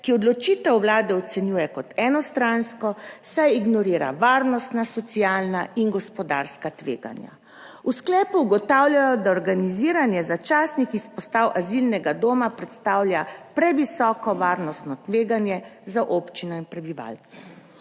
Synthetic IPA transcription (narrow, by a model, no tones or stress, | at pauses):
kiɔd̪lɔt͡ʃit̪ɛwwlaːd̪ɛɔt̪sɛnjuːjɛkɔt̪ɛːnɔst̪ɾanskɔsajiɡnɔɾiːɾa̰ʋaːɾnɔst̪nasɔt̪sijaːlnainɡɔspɔd̪aɾskat̪ʋeːɡa̰nja̰ | usklɛːpuːɡɔt̪awljajɔd̪aɔɾɡaniziːɾanjɛzat͡ʃaːsnixispɔst̪awʔazilnɛɡad̪oːmapɾɛt̪st̪aːwlʲjapɾɛʋisɔːkɔʋaːɾnɔst̪nɔt̪ʋeːɡanjɛzaʔopt͡ʃinɔinpɾɛbiʋa̰ːlt̪sɛ